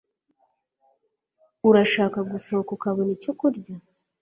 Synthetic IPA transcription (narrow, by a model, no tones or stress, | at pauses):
uɾaʃaːkaɡusoːkokaβonico̞kuɾɟa